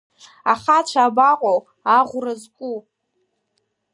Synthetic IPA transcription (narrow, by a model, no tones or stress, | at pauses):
aχat͡ʃʷʰaːbaqʷʼow | aʁʷrazkʷʼu